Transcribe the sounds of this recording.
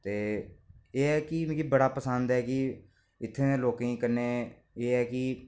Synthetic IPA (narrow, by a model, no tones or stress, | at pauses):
t̪eː | eːɛːkɪkibəɽaːpəsənd̪ɛːkɪ | ɪt̪ʰːẽːeːloːkĩːkəɾneː | eːɛːkɪ